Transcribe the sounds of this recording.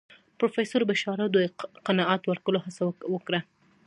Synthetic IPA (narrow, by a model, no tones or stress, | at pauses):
pɾofesoɾbaʃɑɾawd̪əjqanɑʔɑt̪waɾkəlohasawwəkɽa